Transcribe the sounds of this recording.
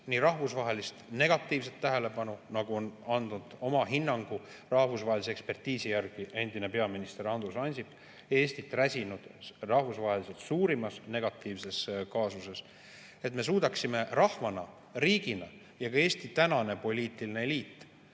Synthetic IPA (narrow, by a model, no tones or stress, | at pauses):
nirɑɦvusvɑɦe̞list̪ne̞ɡ̥ɑt̪ːˑiːvs̬et̪ːæɦe̞le̞pɑnunɑɡ̥uo̞nɑnd̪̥nud̪̥o̞mɑɦinːɑŋɡ̥u | rɑhvusvɑɦelis̬eekspert̪iːsijærɡ̥ie̞nd̪̥ine̞pe̞ɑminist̪eɾɑnd̪usɑnʲsip | e̞ːsʲt̪it̪ːræsʲinud̪̥rɑhvusvɑɦeliselt̪suːɾimɑsne̞ɡ̥ɑt̪ːˑiːvse̞skɑːsuse̞s | e̞t̪me̞suːd̪ɑksime̞rɑhvɑnɑ | riːɡ̥inɑ | jɑɡɑe̞ːst̪it̪ænɑne̞po̞lʲiːt̪ːˑiline̞liːt̪ː